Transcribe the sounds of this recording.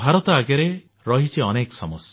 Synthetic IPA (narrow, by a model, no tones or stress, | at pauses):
bʱaɾɔt̪ɔaɡjaɾe | ɾɔɦit͡ʃʰiɔnekɔsɔmɔsjɔ